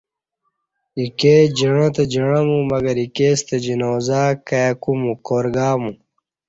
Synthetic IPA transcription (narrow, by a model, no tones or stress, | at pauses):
iked͡ʑiɳ̃ɐ̃t̪ɐd͡ʑiɳɐmũmɐɡɐɾikeːst̪ɐd͡ʑinoːzaːkajɐkumũkoːɾɡaːmũ